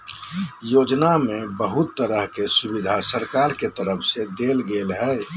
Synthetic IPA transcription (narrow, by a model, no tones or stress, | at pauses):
joːd͡ʒnamẽbəɦʊt̪ːəɾəɦkesʊbid̪ʱasəɾkaːɾket̪əɾəpʰsed̪eːlɡelɦɛː